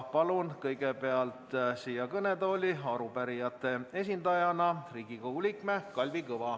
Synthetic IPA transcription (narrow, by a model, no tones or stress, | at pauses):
pɑlunkɤjɡe̞pe̞ɑlt̪siːjɑkɤned̪o̞ːlʲiɑɾupæɾijɑt̪ːˑe̞e̞s̬ʲind̪ɑjɑnɑriːɡ̥ikoulʲikmekɑlʲvikɤvɑ